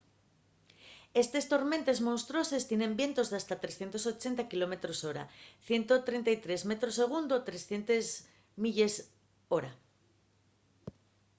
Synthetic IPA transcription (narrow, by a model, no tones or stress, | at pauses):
e̞st̪e̞st̪o̞ɾmẽ̞nt̪e̞zmõnst̪ɾo̞se̞st̪je̞nẽ̞mbje̞nt̪o̞zðast̪at̪ɾesθjent̪o̞so̞t͡ʃe̞nt̪akilo̞me̞t̪ɾo̞so̞ɾa̰θje̞nt̪o̞t̪ɾe̞nt̪ajt̪ɾe̞zme̞t̪ɾo̞se̞ɣ̞und̪ot̪ɾe̞sθje̞nt̪ez | miʎe̞s | o̞ɾa